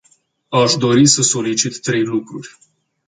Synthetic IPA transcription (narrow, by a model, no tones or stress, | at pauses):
aʃd̪o̞ɾisəso̞lit͡ʃit̪ːɾe̞jlukɾurʲ